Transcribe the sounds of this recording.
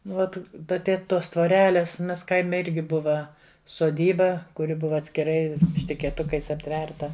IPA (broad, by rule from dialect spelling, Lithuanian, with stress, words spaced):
ˈʋɐt ˈdɐ ˈtʲeːt ˈtoːs tʋoːˈrʲæːlʲeːs ˈmʲɛs ˈkɐɪmʲɛ ˈɪrʲɡʲɪ ˈbʊʋɐ soːˈdʲiːbɐ kʊˈrʲɪ ˈbʊʋɐ ɐtʲsʲkʲɪˈrɐɪ ʃʲtʲɪkʲeːˈtʊkɐɪs ɐpʲˈtʲʋʲɛrtɐ